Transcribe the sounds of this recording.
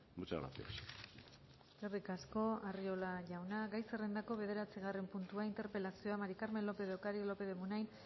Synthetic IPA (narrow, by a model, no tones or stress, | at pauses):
but͡ʃaɣɾa̰θio̰s | ɡerðikasko̞ario̞laʝawnaɡajserend̪ako̞βe̞ð̞e̞ɾat͡siɣ̞are̞mpunt̪uaint̪e̞ɾpe̞lasio̞amaɾikaɾmelːo̞pe̞ðeokaɾilo̞pe̞ðemunajn